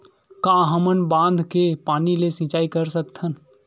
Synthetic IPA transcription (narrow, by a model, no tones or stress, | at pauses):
kãːɦəmənbãːnd̪ʱkepaːnilesĩːt͡ʃaːikəɾsək̚t̪ʰən